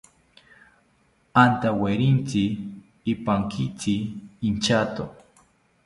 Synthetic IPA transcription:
ant̪aweɾint͡sɪː | paŋkʰɪt͡sɪːnt͡ʃat̪o̰

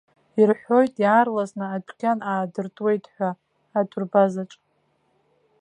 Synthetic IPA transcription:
irħʷo̞jtʼjaːrlaznɨad͡ʒʷʰkʲʰanaːdɨrtʼwe̞jtʰʼħʷᶣaː | dʰurbazaʈ͡ʂʼ

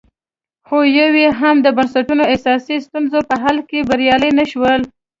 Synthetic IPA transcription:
xojaweɦamd̪əbansaʈunoesɑsist̪unzopəɦalkebaɾjɑləjnaʃwəl

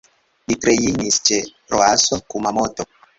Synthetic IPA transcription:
litɾejinist͡ʃe | ɾoasokumamoto

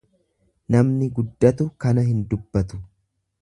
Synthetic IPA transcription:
nɐmnɪɡʊd̪ːɐt̪ʊkɐnɐɦɪnd̪ʊbːɐt̪ʊ̥

